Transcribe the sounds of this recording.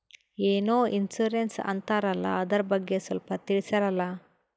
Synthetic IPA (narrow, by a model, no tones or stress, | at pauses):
eːnoːʔinsuɾensɐ̰nt̪aːɾɐlːɐ̰ɐd̪ɐɾɐbɐɡːesɐlpɐt̪iɭisɐɾɐlːɐ